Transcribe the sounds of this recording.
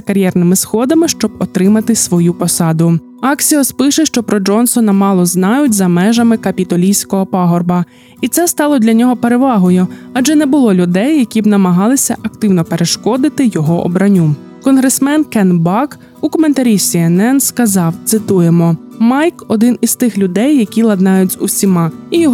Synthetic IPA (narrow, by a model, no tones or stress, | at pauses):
ɐkɐɾʲjɛrnɪmɪsxɔd̪ɐmɪʃt͡ʃɔb̚ɔt̪ɾɪmɐt̪ɪsʋɔjupɔsɑd̪ʊ | ɑksʲijɔspɪʃɪʃt͡ʃɔpɾɔd͡ʒɔnsɔnɐmɑlˠɔznɑjʊtʲzɐmɛʒɐmɪkɐpʲit̪ɔlʲijsʲkɔɦɔpɑɦɔrbɐ | it̪sɛst̪ɑlˠɔd̪ʲlʲɐnʲɔɦɔpeɾeʋɑɦɔjʊɑd͡ʒɛnɛbʊlˠɔlʲʊd̪ɛjːɐkʲibnɐmɐɦɑlˠɪsʲɐ̰ʔɐkt̪ɪwnɔpe̞ɾeʃkɔd̪ɪt̪ɪjɔɦɔʔɔ̰bɾɐnʲu | kɔnɦɾesmɛnkɛnbɑk | ukɔment̪ɐɾʲisʲiɛnɛnskɐzɑwt̪sɪt̪ujemɔmɑjkɔd̪ɪnist̪ɪxlʲʊd̪ɛjːɐkʲilˠɐd̪nɑjʊtʲzusʲimɑijɔɦ